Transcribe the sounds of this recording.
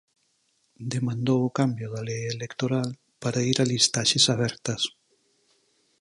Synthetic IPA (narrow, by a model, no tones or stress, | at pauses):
d̪emãnd̪ookambjoðalejelekt̪oɾal | paɾaiɾalist̪aʃesaβ̞ɛɾt̪ɐs